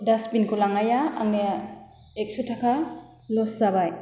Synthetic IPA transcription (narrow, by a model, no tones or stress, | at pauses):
daspinkʰulaŋajaːŋne | ek̚sutʰakʰa | lɔszabaj